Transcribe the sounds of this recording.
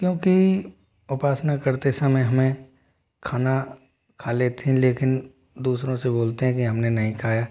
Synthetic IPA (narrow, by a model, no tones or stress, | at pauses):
kjõːki | ʊpaːsnakɐɾt̪esəmẽɦɐmẽ | kʰaːna | kʰaːleːt̪eɦɛ̃leːkɪn | d̪uːsɾõseboːlt̪eɦɛ̃kiɦɐmnenɐɦĩkʰaːjaː